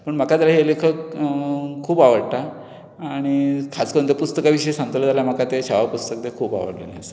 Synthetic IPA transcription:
pəɳm̤əkat̪alaɦielekʰək | kʰuːbaʋəɽt̪aː | ɽ̃ikʰaskəɾunt̪̬epust̪əkaʋiɕəjsãŋɡət̪ələt̪aljam̤akat̪eɕaʋapust̪ək̚d̪ekʰuːpa̰ʋə̰ɽlḛnḛəse̥

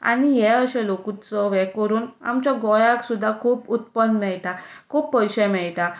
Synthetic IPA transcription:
a̰ɽ̃iɦɛəɕɛ̃lokut͡səʋɛkəɾuːna̰mt͡ɕjaɡɔjaksud̪ʱːakʰuːput̪̚pənmɛɭt̪akʰuːpːəjɕəmɛɭt̪a

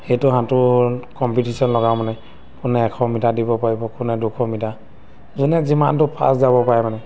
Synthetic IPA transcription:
xejtʊɦãtʊkɔmpitisɔnlɔɡawmanɛ | kʊnɛːkʰɔmitadibɔpaɹibɔkʊnɛdukʰɔmita | zunɛzimantʊpʰa̰szabɔpaɹɛmanɛ

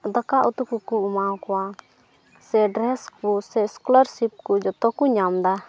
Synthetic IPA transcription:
d̪əkaʔut̪ukukuumawkɔwa | sɛɖɾɛskusɛskulɔɾsip̚kud͡ʒɔt̪ɔkuɲamd̪a

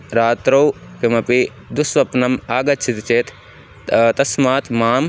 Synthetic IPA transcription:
ɾaːt̪ɾɐwkɐmɐpi | d̪usʋɐpnɐmaːɡɐtːt͡ʃʰit̪t͡ʃeːt̪ | t̪ɐsmaːt̪maːm

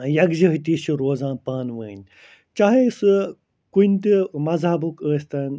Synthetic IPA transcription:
jɐɡzɐɦit̪iʃuɾoːzãːpaːnʋəːnʲ | t͡ʃaɦesɨ | kunʲt̪imɐzɦɐbukəːst̪ɐn

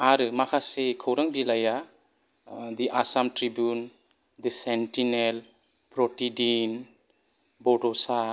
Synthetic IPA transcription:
aɾɯmakʰasekʰɯwɾaŋbilaja | d̪iʔasamtɾibjun | d̪isentinel | pɾɔtidin | bɔtɔsa

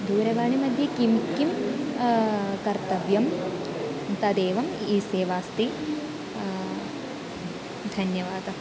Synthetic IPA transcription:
d̪ʱuːɾɐʋaːɳimɐd̪ʱjɐkimkːim | kɐɾt̪ɐʋjɐm | t̪ɐd̪eːʋɐmiːseːʋaːst̪i | d̪ʱɐnjɐʋaːd̪ɐ

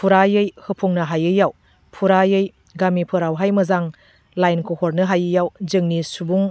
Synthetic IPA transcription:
pʰuɾajɯjhɯpʰuŋnɐɦajɯjaw | pʰuɾajɯj | ɡamipʰɯɾawɦajmɐzaŋ | lajnkʰohoɾnɯɦajɯjawzɯŋnisubuŋ

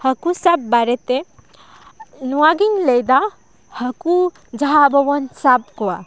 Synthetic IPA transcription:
hɐkusabːaɾet̪e | nuaɡiŋlejd̪a | hɐku | d͡ʒɐɦabɐwɔnsab̚koa

